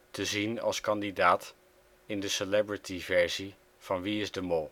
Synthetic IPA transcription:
təzinɑ̰lˠskɑndidaːt | ɪndəsəlɛbɹɪtʰivɛɹzi | v̥ɑnʋiɪzdəmɔlˠ

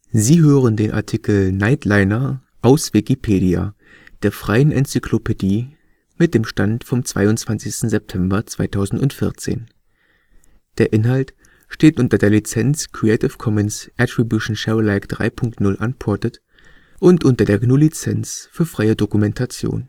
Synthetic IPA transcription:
ziːɦøːʁ̞əndeːnʔa̰ɐtʰikl̩naɪtʰlaɪnɐ | ʔaʊsv̥ikipʰeːɾia̰ | d̥eːɐfʁ̥aɪənʔɛ̰nt͡sikʰlopʰediː | mɪt̚d̥eːmʃtantfɔmt͡sv̥a̰ɪʊnt͡sv̥ansɪçstn̩zɛp̚tʰɛmbɐt͡sv̥aɪtʰaʊzn̩tʊntfɪɐt͡sḛːn | d̥eːɐʔɪnɦalt | ʃteːtʔʊntɐdeːɐlit͡sɛnt͡skʁ̥iɛɪtɪfkʰɔmənsʔɛtʁ̥ibjuʃn̩ʃɛlaɪkd̥ʁa̰ɪpʰʊŋktnʊlʔa̰npʰɔɐtət | ʔʊntʔʊntɐdeːɐɡnuːlit͡sɛnt͡sfyːɐfʁ̥aɪədokumɛntʰat͡sjo̰ːn

